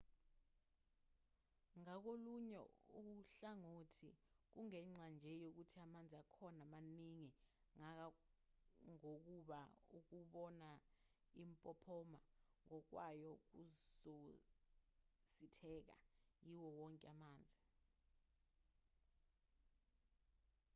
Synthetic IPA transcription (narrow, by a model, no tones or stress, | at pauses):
ŋak̬oluɲɛ̰uk̬uɬaŋoːtʰik̬uŋɛŋ͡ǀand͡ʒʱɛjok̬utʰiamand͡zʱiakʰɔnamaniŋi | ŋak̬a | ŋok̬uɓauk̬uɓɔna | impʼɔpʰɔmaŋɔk̬wajɔk̬uzo | sitʰɛk̬a̰jiwɔwɔŋkʼɛamaːnd͡zʱi